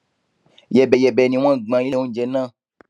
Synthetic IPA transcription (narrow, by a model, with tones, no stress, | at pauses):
jɛ˨bɛ˨jɛ˨bɛ˨nĩ˨w̃ã˦ɡ͡bã˨je˦˨ŋũ˦d͡ʒe˨nã˦